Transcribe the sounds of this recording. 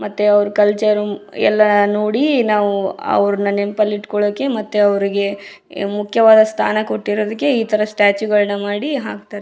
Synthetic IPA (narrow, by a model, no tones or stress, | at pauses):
mɐt̪ːeɐʋɾukɐlt͡ʃɐɾuɛ̰lːɐnoːɽinaːʋuɐ̰ʋɐɾɐnːɐnempɐliʈkɔɭoːkːe̞mɐt̪ːeɐʋɐɾiɡe̞ | mukʰjɐʋaːd̪ɐst̪ʰa̰ːnɐkoʈːiɾoːd̪ikːe̞iːt̪ʰɐɾɐsʈaːt͡ʃuɡɐɭnɐmaːɽiɦaːkt̪aːɾe